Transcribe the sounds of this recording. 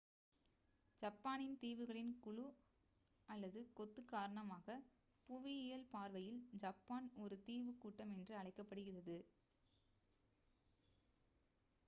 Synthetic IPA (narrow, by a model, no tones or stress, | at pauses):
d͡ʒɐpːaːnɪnt̪iːʋɯɣɐɭɪnkʊɭu | ɐlːɐðɯkɔt̪ːɯkaːɾɐɳɐmaːɣɐ | pʊʋiɪjɐlpaːɾʋɐjɪld͡ʒɐpːaːnɔɾɯt̪iːʋɯkːuːʈːɐmɛndrɯɐɭɐɪkːɐpːɐɽɯɣɪrɐðɯ